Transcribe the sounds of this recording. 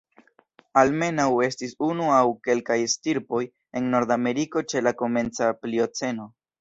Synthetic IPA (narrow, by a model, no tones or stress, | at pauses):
alme̞nawe̞stisunuawke̞lkajstiɾpo̞j | e̞nːo̞ɾd̪ame̞ɾiko̞t͡ʃe̞lako̞me̞nt͡saplio̞t͡se̞no̞